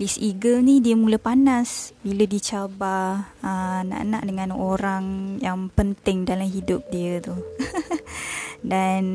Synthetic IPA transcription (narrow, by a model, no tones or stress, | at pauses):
lisiɡəlnidiəmuləpanasbilədit͡ʃabaəna̰ʔənaʔdəŋãnoɾaŋjaŋpənt̪ɪŋdalamɦidʊp̚diət̪u | dan